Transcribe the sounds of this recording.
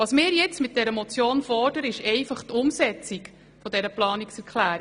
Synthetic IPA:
ʋɑːsmɪːɾjɛt͡smɪt̚d̥ɛɾəmɔt͡sjoːnfɔrd̥əɾəɪʃɛɪfɑχtʊmsɛt͡sik | fɔdɛɾəplɑːniksɛɾkχlæːɾi

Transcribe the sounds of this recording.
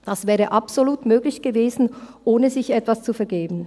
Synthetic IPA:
d̥ɑsv̥ɛːʁəʔɑpz̥oluːtmøːɡlɪçɡ̥əveːzn̩ʔoːnəzɪçɛtv̥ast͡sufɛɐɡeːbn̩

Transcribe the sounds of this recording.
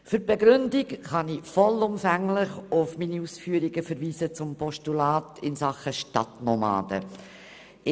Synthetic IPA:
fʏɾb̥ɛɡɾʏndɪkχɑnifɔlʊmfæŋlɪχʊfminiuːsfyːəɾiɡəfɛɾviːsət͡sʊmpʰɔʃtulɑːtɪnsɑχəʃtɑ̰tnɔmɑ̰ːd̥ə̰

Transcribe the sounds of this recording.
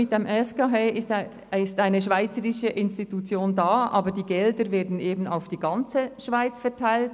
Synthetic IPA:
mɪt̚d̥emʔɛskaɦeɪst | ɪstaɪnəʃvaɪt͡səʁɪʃəʔɪnstitut͡sjoːndaːʔa̰ːbədiːɡɛldəɾvɛːɐdn̩eːbn̩a̰ʊfd̥iːɡɑnt͡səʃv̥aɪt͡sfɛʁtʰaɪlt

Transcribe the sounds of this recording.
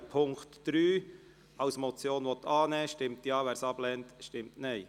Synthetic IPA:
pʰʊŋktd̥ɾyː | ɑʊsmɔt͡sjoːnʋɔt̪ʰːɑːnɛːʃtɪmtjɑːʋæːɾsɑb̥lɛntʃtɪmtnɛɪ

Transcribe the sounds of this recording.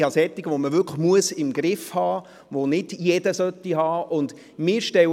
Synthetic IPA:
hɑsɛt̪ːiɡəʋoməvʏkʰmuəsɪmɡɾɪfhɑː | ʋonɪdjedəsœt̪ːihɑːʔʊnd̪ | mɪːɾʃtɛw

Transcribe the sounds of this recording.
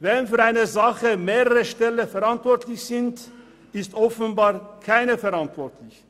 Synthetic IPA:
vɛnfyːɐʁaɪnəzaχəmeːʁəʁəʃtɛləfɛɐʁantv̥ɔɐtlɪçz̥ɪnt | ɪstʔɔfən̩baːʁkʰaɪnəfɛʁantv̥ɔʁtʰlɪç

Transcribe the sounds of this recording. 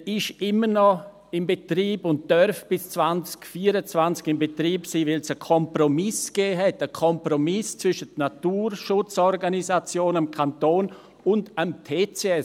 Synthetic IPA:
ɪʃɪmənɔ | ɪmbetriːbʊnt̚d̥œɾfb̥ɪst͡svant͡skfiːəɾət͡svant͡skɪmbetriːpsiːvɪlsəkʰɔmpromɪsɡ̥eːɦɛtəkʰɔmpromɪst͡svʏʃətnatuːɾʃʊt͡sɔɾɡanizat͡sjoːnəmkʰantoːn | ʊndəmtʰeːt͡seɛs

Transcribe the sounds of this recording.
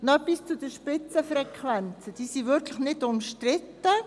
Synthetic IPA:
nɔbist͡sud̥əʃpɪt͡səfɾɛkʰʋɛnt͡səd̥iːsivʏɾkʰlɪxnɪdʊmʃtrɪtːə

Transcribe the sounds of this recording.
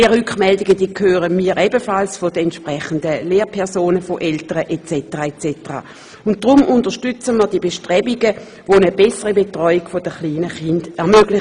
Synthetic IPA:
ʁʏkχmɛldiɡəd̥iːəkʰøːʁəmiːɐʁɛbəfalsfodəɛntʃpʁɛχəndəleːʁpʰɛɐsoːnəfoʔɛltəʁəʔɛt͡sɛtəʁaɛt͡sɛtəʁa̰ː | ʊntd̥ʁʊmʔʊntɐʃtʏt͡səməɐd̥iəbeʃtʁɛbiɡə | ʋonəbɛsəʁibetʁɔʏiɡ̥fodəχliːnəχɪndɛɐmøɡlɪ

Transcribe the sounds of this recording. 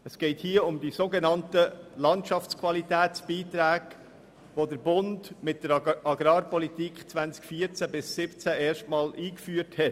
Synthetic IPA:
əsɡ̥ɛɪthiːəʊmdisoɡenɑntəlɑntʃɑft͡skʰvɑlitæːt͡sb̥iːtɾæːɡ̥ | ʋodəɾbʊndmɪt̚d̥əɾɑɡɾɑːɾpɔlitikχt͡svænt͡skfiːəɾt͡sæbɪsːɪpt͡sæʔɛːɾʃtmɑːlʔiːkfyːəɾthɛt

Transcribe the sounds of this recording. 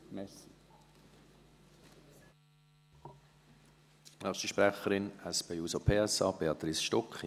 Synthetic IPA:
mɛs | nœχʃtiʃpɾɛχəɾɪnɛspejuːsopʰeːɛsɑːb̥eɑt̪ɾisʃtɔkχ

